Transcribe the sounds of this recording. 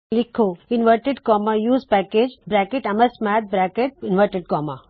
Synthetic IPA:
likʰːoinʋəɾʈeɖkɔːmajuːzpæːkeːd͡ʒbɾæːkeʈɐmɐsmɛːt̪̚bɾæːkeʈ̚inʋəɾʈeɖ̚kɔːma

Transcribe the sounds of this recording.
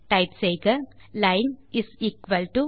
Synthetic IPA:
ʈaɪpseːɡɐlaɪnɪsiːkʋɐlʈu

